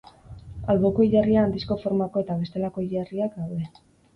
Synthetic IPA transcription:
alɣoko̞iʎariaːnd̪isko̞fo̞ɾmako̞e̞t̪aβ̞e̞st̪e̞lako̞iʎariakdawðe̞

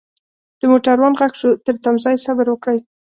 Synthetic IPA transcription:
d̪̥əmoʈaɾwɑnɣakʂot̪əɾt̪amzɑjsabəɾwəkɽəj

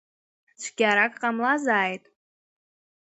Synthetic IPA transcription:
t͡ʃʷʰɡʲaɾakʼqʼamlazaːjtʼ

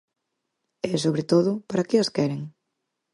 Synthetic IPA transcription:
ɛsoβɾet̪oðʊpaɾɐkɪɐskɛɾeŋ

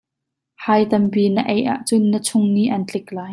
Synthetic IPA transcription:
haːjt̪ɐmpiːnəʔɛjʔa̰ʔt͡sʊnːət͡sʰʊŋniʔɐnt͡ɬɪklaːj

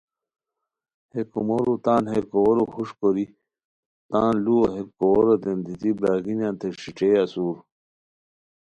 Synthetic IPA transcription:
hekumoɾut̪aːnheɾkowoɾuhuʂkoɾi | t̪aːnluoɦeɾkowoɾot̪end̪it̪ibɾaːɡinjãːnt̪eʂiʈ͡ʂeːɐsuːɾ

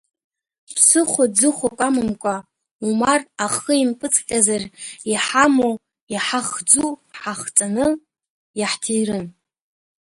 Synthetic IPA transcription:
pʰsɨχʷad͡zɨχʷakʷʼamɨmkʷʼa | umaraχəimpʼɨt͡sʼqʲʼazariħamow | jaħaχd͡zuħaχt͡sʼanɨ | jaħtʰijrɨn

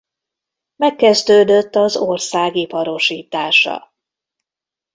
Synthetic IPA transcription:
mɛkːɛzd̪øːd̪øt̪ːɒzorsaːɡipɒɾo̞ʃiːt̪aːʃɒ̰

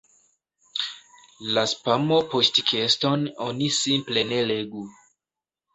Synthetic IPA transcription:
laspamo̞postkʰesto̞nonisimple̞ne̞le̞ɡu

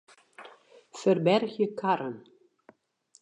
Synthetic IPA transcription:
fərbɛrɣjəkaɾən

